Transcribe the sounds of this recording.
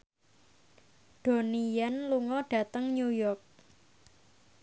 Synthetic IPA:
ɖ̥o̤nijanluŋɔɖ̥ä̤t̪əŋɲujɔrk̚

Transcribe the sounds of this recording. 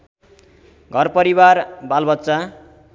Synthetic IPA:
ɡʱʌrpʌɾibarbalbʌt̪sa

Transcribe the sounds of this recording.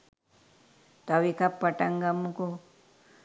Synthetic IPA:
t̪ʌbikapʌʈaŋɡamuko

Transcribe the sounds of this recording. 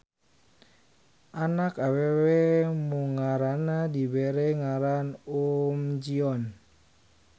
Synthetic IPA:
ʔanakawewemuŋaɾanadibeɾeŋaɾanomd͡ʒiɔn

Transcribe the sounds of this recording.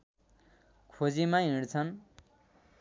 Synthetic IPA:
kʰod͡zimaɦiɽt͡sʰʌn

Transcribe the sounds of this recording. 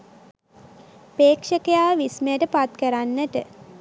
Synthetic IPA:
peːkʂəkəjaːʋisməjəʈəpat̪kəɾanːəʈə̰

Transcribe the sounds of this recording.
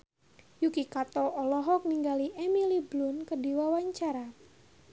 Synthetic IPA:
jukikat̪ɔɔlɔɦɔk̚niŋɡaliʔemiliblunkədiwawaɲt͡ʃaɾa

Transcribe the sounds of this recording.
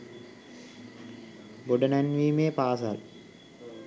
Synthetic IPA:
boɖənænʋiːmeːpaːsa̰l

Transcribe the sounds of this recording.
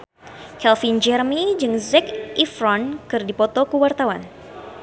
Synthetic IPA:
kɛlfind͡ʒɛrmid͡ʒɨŋzɛkifɾɔnkɨrdipɔt̪ɔkuwart̪awan

